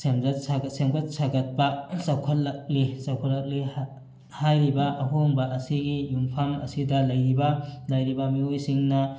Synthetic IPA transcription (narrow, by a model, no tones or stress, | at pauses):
semzɐtsasemɡɐt̚saɡɐt̚pɐsɐwkʰɐt̚lɐk̚lisɐwkʰotlɐk̚li | hajɾibɐʔɐɦoŋbɐʔɐsiɡijumpʰamɐ̰sidɐlɐjɾibɐlɐjɾibɐmiojsiŋnɐ